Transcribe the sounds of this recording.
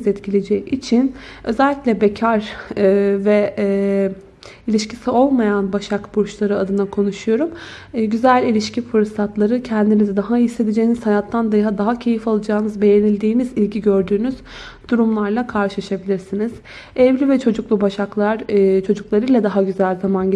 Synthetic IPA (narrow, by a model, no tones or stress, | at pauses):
zɛt̪cʰilʲed͡ʒɛit͡ʃʰinø̞zɛlʲːicʲlʲɛbecʰaɾ | vɛ | ilʲiʃcisio̞lˠmajanbaʃakbuɾt͡ʃlˠaɾɯad̪ɯnakʰo̞nuʃujo̞ɾum | ɟyzælʲilʲiʃcifɯɾsat̪lˠaɾɯcʰɛnd̪inizid̪aɦaisːe̞d̪ed͡ʒejinizhanat̪ʰːand̪aɦad̪aɦacʰe̞jifalˠɯd͡ʒaːnɯzbe̞jenilʲd̪iːnizilʲɟiɟø̞ɾd̪yːnyz̥ | d̪̥uɾumlˠaɾlˠakʰaɾʃɯlˠaʃabilʲiɾsiniz̥ | ɛvlʲivɛt͡ʃʰo̞d͡ʒuklˠubaʃaklˠaɾt͡ʃʰo̞d͡ʒuklˠaɾɯlʲˠɛd̪aɦaɟyzælʲzaman